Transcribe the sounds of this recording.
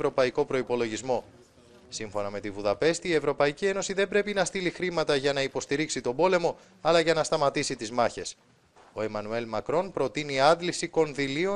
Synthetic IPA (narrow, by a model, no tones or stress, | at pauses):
ɾo̞pɐiko̞pɾo̞ipo̞lo̞ʝizmo̞ | siɱfo̞nɐme̞t̪ivuðɐpe̞st̪iːe̞vɾo̞pɐicie̞no̞siðe̞mbɾe̞pinɐst̪ilixɾimɐt̪ɐʝɐnɐipo̞st̪iɾiksit̪o̞bo̞le̞mo̞ | ɐlɐʝɐnɐst̪ɐmɐt̪isit̪izmɐçe̞s | o̞e̞mɐnue̞lmɐkɾo̞npɾo̞t̪iniɐd̪lisiko̞nðilio